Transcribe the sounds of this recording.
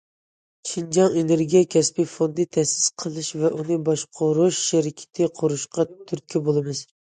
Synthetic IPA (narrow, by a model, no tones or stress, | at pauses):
ʃind͡ʒɑŋeneɾɡʲijɛkʲʰɛspijfond̪ɨt̪ʰɛsɪ̥sqʰəlˠɪʃvɛʔunɨbɑʃqʰʊɾʊʃːeɾɪkʲʰɪ̥t̪ʰɪqʰʊɾɨʃqɑt̪ʰyɾkʲʰɛbolˠɨmɨz̥